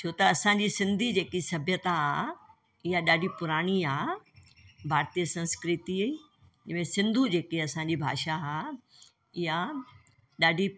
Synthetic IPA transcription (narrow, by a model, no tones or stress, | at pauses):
t͡ɕʰoːt̪ɐɐsãɲd͡ʑisɪ̃nd̪ʱid͡ʑeːkisɐbʱjət̪aɦaː | ɪɦaɗaːɖʱipʊɾaːɽ̃iaː | bʱaːɾt̪ijəsɐ̃nskɾɪt̪iɐiː | d͡ʑɪmẽsɪ̃nd̪ʱud͡ʑeːkeɐsãɲd͡ʑibʱa̰ːʃaɦaː | ɪɦa | ɗaːɖʱi